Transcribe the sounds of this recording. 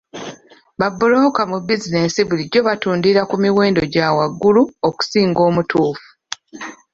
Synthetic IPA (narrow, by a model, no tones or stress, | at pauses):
βabːuloːkamubizine̞siβuliɟːo̞βatuːndiɾakumiweːndo̞ɟawaɡːuluoku̥siːŋɡo̞ːmutuːfu̥